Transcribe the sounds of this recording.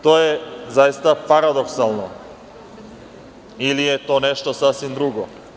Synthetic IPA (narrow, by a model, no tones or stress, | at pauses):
t̪ojezajist̪apaɾad̪oksalˠno | ilijet̪oneʃt̪osasʋimd̪ɾuɡo